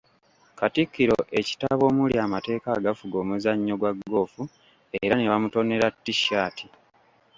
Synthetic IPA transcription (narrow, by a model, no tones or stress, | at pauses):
katikːiɾo̞ʔe̞ci̥taβo̞ːmuljaːmate̞ːkaːɡafuɡo̞ːmuzaɲːo̞ɡwaɡːo̞ːfu | eɾane̞βamuto̞ne̞ɾatːiʃːaːtʰi